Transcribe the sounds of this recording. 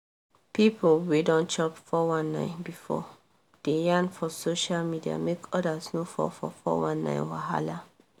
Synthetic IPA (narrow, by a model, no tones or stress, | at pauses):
pipʰowedɔ̃nt͡ʃɔpfɔwãnːãɪ̃nbifɔ̰ | d̥ejãnfɔsoʃalmidia̰mekʰɔdasnofɔ̰fɔ̰fɔ̰wãnːã̰ɪ̃nwaɦa̰la